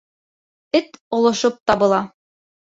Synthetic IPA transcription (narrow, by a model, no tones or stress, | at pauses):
ɘt̪ŏlˠŏʃɤp̚t̪ɑβɤ̆lˠɑ